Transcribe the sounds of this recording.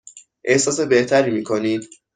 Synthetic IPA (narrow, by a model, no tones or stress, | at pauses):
ʔe̞hsɒːs̬e̞be̞ht̪ʰæɾiːmiːkʰo̞niːd̪